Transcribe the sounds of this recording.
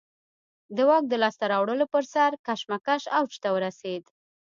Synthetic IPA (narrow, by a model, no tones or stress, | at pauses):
d̪əwɑk̚d̪əlɑst̪aɾɑwɽəlopəɾsaɾkaʃmakaʃawt͡ʃt̪awəɾased̪